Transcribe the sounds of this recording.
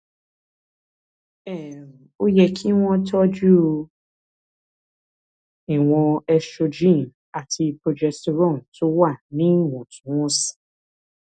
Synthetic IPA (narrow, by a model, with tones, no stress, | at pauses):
ɛ˦˨ | o˦jɛ˧kʰi˦w̃ɔ̃˦tɔ˦d͡ʒu˦˧ | i˨w̃ɔ̃˧ɛ˧ʃo˧d͡ʒĩ˦˨n | a˨tʰi˧pɾo˧d͡ʒɛ˧so˧ɾɔ̃˦˨n̩˨to˦wa˦˨nĩ˦˨wɔ̃˨tũ˨˦w̃ɔ̃˦sĩ̥˨